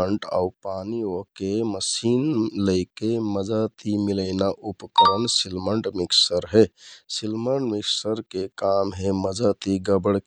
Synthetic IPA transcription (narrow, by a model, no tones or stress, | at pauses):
əɳʈa̰upaniokeməsinləɪkeməd͡ʒat̪imiləɪnaʔupəkəɾənsilməɳʈmiksəɾɦesilməɳʈmiksəɾkekamɦẽməd͡ʒət̪iɡəbəɽ